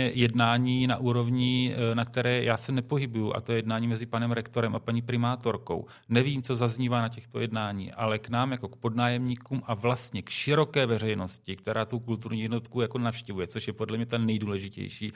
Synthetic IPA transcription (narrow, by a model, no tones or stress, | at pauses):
ɛjɛdnaːɲiːnaʔuːɾo̞vɲɪnak̚t̪ɛɾɛːjʔaːsɛnɛpoɦɪbujuʔa̰t̪ojɛjɛdnaːɲiːmɛzɪpanɛmɾɛkt̪o̞ɾɛmʔapaɲiːpɾɪmaːt̪o̞ɾko̞̰w | nɛviːmt͡so̞zazɲiːvanacɛxt̪o̞̰jɛdnaːɲḭːʔalɛknaːmjako̞k̚po̞dnaːjɛmɲiːkuːmʔavlast̪ɲɛkʃɪɾo̞kɛːvɛr̝ɛjno̞scɪk̚t̪ɛɾʔaːt̪ukult̪uɾɲiːjɛdnot̪kujako̞nafʃcɛvujɛt͡so̞ʃjɛpo̞dlɛmɲɛt̪anɛjduːlɛʒɪcɛ̰jʃḭː